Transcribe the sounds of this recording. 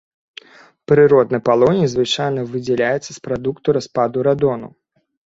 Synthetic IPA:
pɾɨɾɔd̪nɨjpalˠɔnʲizvɨt͡ʂajnɐvɨd͡zʲɛlʲajɛt̪sːɐspɾad̪ukt̪uɾaspad̪uɾad̪ɔnṵ

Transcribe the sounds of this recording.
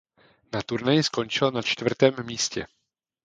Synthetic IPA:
nat̪uɾnajɪsko̞nt͡ʃɪlnat͡ʃt̪vr̩t̪ɛːmːiːscɛ̰

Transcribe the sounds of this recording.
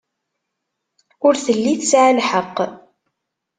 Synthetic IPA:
ʊɾθəlːiθəsʕalħəqː

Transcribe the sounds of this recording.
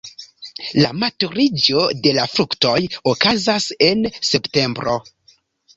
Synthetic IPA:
lamatuɾid͡ʒo̞de̞lafɾukto̞jokazase̞nse̞pte̞mbɾo̞̰

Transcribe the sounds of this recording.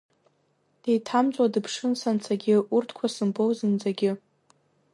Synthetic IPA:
d̥ejtʰamt͡sʼwadɨpʰʂɨnsant͡sʰaɡʲɪʔurtʰkʷʰasɨmbowzɨnd͡zaɡʲɪ

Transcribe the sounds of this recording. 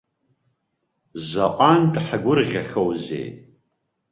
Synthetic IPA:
zʷaʔʷʼantʼħaɡʷʊrʁʲaχʲowzḛj

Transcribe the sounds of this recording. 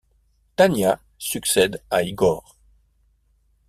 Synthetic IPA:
t̪anja | syksɛd̪aiɡɔːʁ

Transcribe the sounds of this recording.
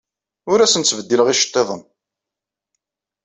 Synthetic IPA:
ʊɾæsənt̪t͡sːvəd̪ːiləʁiʃə̥t̪ˤːeðˤən

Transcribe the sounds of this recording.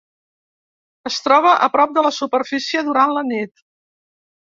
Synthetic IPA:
əst̪ɾɔβ̞əʔəpɾɔp̚d̪ələsupəɾfisiəðuɾanlənit̪

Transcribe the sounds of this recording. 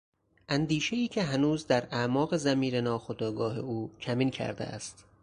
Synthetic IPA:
ʔænd̪iːʃe̞iːcʲʰe̞ɦænuːzd̪æɾæmɒːɣe̞zæmiːɾenɒːxod̪ɒːɡɒːɦe̞̰uːcʰæmiːncʰæ̰ɾd̪ḛʔæ̰st̪

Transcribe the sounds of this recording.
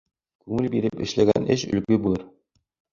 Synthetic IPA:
kʉŋɘlbiɾɘpɘ̆ʃlæɡænɘʃɵ̆lkɵbulˠɤɾ

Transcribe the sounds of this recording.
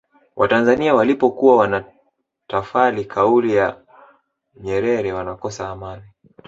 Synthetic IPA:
wʔatanzaniawalipɔkuwawana | tafalikʰaulija | ɲɛɾɛɾɛwanakɔsaːmani

